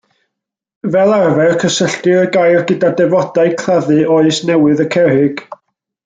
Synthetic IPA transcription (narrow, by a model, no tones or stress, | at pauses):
vɛlˠarvɛrkʰəsəɬtɨɾəɡajrɡədadɛvɔd̥aɨkʰlaðɨʔoɨsnɛwɨðəkʰɛɾɪɡ̥